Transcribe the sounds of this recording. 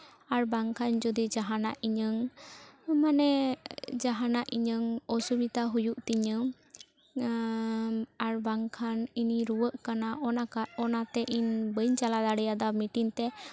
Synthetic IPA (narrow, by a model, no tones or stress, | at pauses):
aɾbaŋkʰand͡ʒɔd̪id͡ʒaɦanaʔiɲəŋ | manɛd͡ʒaɦanaʔiɲəŋɔsubit̪aɦujuʔt̪iɲəm | aɾbaŋkʰaniniɾuwəʔkanaʔɔnakaɔnat̪ɛʔinbəjɲt͡ʃalad̪aɽɛjad̪amiʈiŋt̪ɛ